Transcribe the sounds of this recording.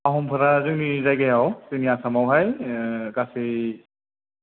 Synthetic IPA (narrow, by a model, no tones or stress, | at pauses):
aɦɔmpʰɯɾazɯŋnizajɡajawsinijasamawɦajɡase